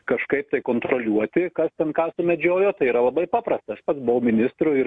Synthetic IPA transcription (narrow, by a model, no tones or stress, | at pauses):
kɐʃkɐɪp̚t̪ɐɪkoːnt̪ɾoːlʲuɔt̪ʲɪkɐst̪ʲɛnkɑːsʊmʲɛd͡ʒʲoːjoːt̪ɐɪiːɾɐlˠɐbɐɪpɑːpɾɐst̪ɐɐʃpɐt̪sbʊʋɐʊmʲɪnʲɪst̪ɾʊɪɾ